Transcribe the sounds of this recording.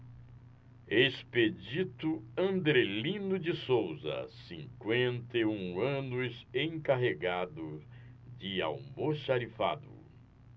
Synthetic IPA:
esped͡ʒit̪ʊɐ̃nd̪ɾelĩnʊd͡ʒɪsowzɐ̰sĩŋkwẽnt̪eũɐ̃nʊsẽkaɦeɡad̪ʊ | d͡ʒɪa̰wmoʃaɾifa̰d̪ʊ̰

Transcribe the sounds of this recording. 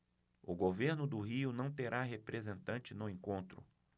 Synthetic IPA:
ʊɡoveɾnʊd̪ʊɦiʊnɐ̃w̃t̪eɾʔaɦepɾezẽnt̪ɐ̃nt͡ʃɪnʊẽŋkõnt̪ɾʊ̰

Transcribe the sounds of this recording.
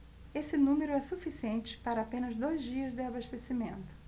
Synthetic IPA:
esɪnũmeɾʊɛsufisiẽnt͡ʃɪ̥paɾɐapẽnɐzd̪ojzd͡ʒiɐzd̪ɪabaʃt̪esimẽnt̪ʊ̥

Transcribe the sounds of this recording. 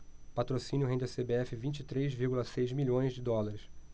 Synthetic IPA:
pat̪ɾosĩnjʊɦẽnd̪esebeɛfɪvĩt͡ʃit̪ɾejzviɾɡulɐsejzmiʎõj̃zd͡ʒɪd̪ɔlaɾɪs

